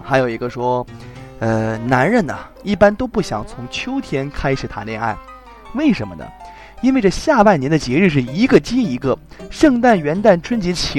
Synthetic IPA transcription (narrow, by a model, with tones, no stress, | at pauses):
xa˧˥ɪjo˨˩ʊi˧˥ɡə˧ʂwɔ˥ | ə˧na˧˥nɻə˥˩nɐ̰˩ | i˥˩pa˥nt̪o˥ʊpu˥˩ɕjɑ̰˨˩˦ŋt͡sʰʊ˧˥ŋt͡ɕʰjo˥ʊt̪ʰjɛ˥nkʰa˥ɪʂɻ̩˨˩t̪ʰa˧˥nljɛ˥˧na̰˥˩ɪ | we˥˩ɪʂə˧˥nmə̰˧nə̰˩ | i˥nwɪʈ͡ʂə˥˧ɕja˥˧pa˥˩njɛ˧˥nd̪ə˧t͡ɕjɛ˧˥ɻɻ̩˥˧ʂ̬ɻ̩˥˩i˧˥ɡə˥˧t͡ɕi˥i˧˥ɡə˧ʂɤ˥˧ŋt̪a˥˩nɥɛ˧˥nt̪a˥˩nʈ͡ʂʰwə˥nt͡ɕi˧˥t͡ɕʰi˧˥